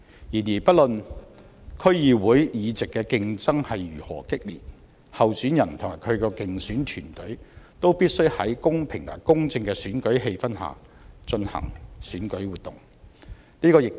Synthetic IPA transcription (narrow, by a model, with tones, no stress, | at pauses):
jiː˨˩njiː˨˩pɐ˥t̚lɵ˨n | kʰɵ˥ɥjiː˨˧wuː˨˥jjiː˨˧t͡sɪ˨kːɛː˧kɪ˧ŋt͡sɐ˥ŋhɐ˨jjyː˨˩hɔ̰ː˨˩kɪ˥k̚lḭː˨t̚ | hɐ˨wsyː˨˥njɐ˨˩nt̪ʰʊ˨˩ŋmaː˨˩jkʰɵ˨˧ɥkɔː˧kɪ˨ŋsyː˨˥nt̪ʰyː˨˩nt̪ɵ˨˥ɥt̪o˥wpiː˥t̚sɵ˥ɥhɐ˨˥jkʊ˥ŋpʰɪ˨˩ŋla̰ː˨˩jkʊ˥ŋt͡sɪ˧ŋkɛː˧syː˨˥nkɵ˨˥ɥɦe˧jfɐ˥nha̰ː˨˩ | t͡ʃɵ˧nhɐ̰˨˩ŋsyː˨˥nkɵ˨˥ɥwuː˨t̪ʊ̰˨˩ŋ | niː˥kɔː˧jɪ˨k̚